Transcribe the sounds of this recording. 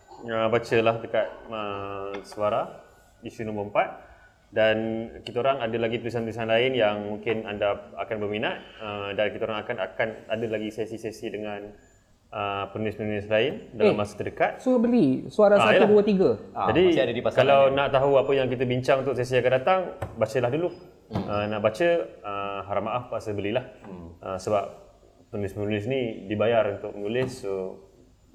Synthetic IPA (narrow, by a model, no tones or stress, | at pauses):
əbat͡ʃəlahdəkat̪̚əsuaɾah | isunombəəmpat̪̚ | dankit̪əoɾaŋadəlaɡipəluis̬anplusanlaɪnjaŋmuŋkɪnandaakanbərminat̪̚ədankit̪əoɾaŋakana̰kanadəlaɡisesisesidəŋãn | ʔəpənunɪspənunɪslaɪndalamːasə̥t̪ədəkat̪̚suabəɾisuaɾaŋaaj̪uduət̪iɡəd͡ʒadiiadədipaskalawnaʔt̪aɦuapəjaŋk̬it̪əbiɲt͡ʃaŋunt̪ʊk̚ses̬iakandat̪aŋbat͡ʃəlahdulu | ənaʔbat͡ʃəəɦaɾamaʔafpaʔsəbəlilahəsəbap̚ː | ənulɪsmənulɪs̬nidibajarunt̪ʊk̚mənulɪsːo